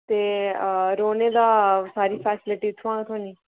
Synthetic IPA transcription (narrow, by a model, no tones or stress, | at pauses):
t̪eːɾoːneːd̪aːsaːɾiːpʰɛːsɪlɪʈiːt̪ʰːʋãːt̪ʰoːniː